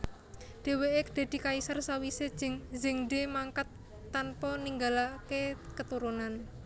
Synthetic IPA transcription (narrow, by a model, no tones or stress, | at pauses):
ɖ̪̥e̤weʔed̪̥e̤d̪̥i̤kaisarsawiseŋzɪŋɖemaŋkat̪ː | anpɔniŋɡalakekət̪uɾunan